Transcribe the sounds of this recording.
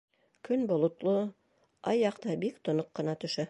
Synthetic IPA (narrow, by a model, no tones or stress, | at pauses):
kʰɵnbolˠŏt̪lˠo | ɑjːɑqt̪ɑbikt̪ŏnoqːɤ̆nɑt̪ɵ̆ʃæ